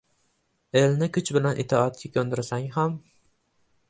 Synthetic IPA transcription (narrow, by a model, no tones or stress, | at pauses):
elnɪkʲʰʊt͡ʃbɪlanʔɪt̪ʰɒːt̪̚kʲakʲʰɵnd̪ɪɾsaŋɦam